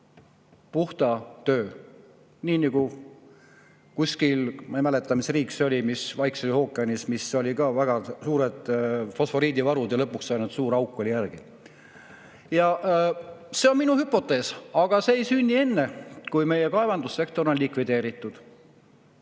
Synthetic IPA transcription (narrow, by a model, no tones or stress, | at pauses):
puht̪ɑt̪øː | niːnɑɡ̥u | kusʲkilmemæle̞t̪ːˑɑmisriːkso̞lʲimisvɑjkseliho̞ːkːˑeɑnismiso̞lʲikɑvæɡ̥ɑsuːɾed̪̥fo̞sfo̞ɾiːd̪ivɑɾud̪jɑlɤpːˑuksːɑjnut̪suːɾɑwkːˑo̞lʲijærɡ̥i | jɑ | se̞o̞nminuhypːˑo̞t̪ːˑe̞ːsɑɡ̥ɑseːejsynʲːie̞nːe̞kujme̞je̞kɑe̞vɑnd̪usːe̞k̚t̪o̞ɾo̞nlikvid̪e̞ːɾit̪ˑːud̪̥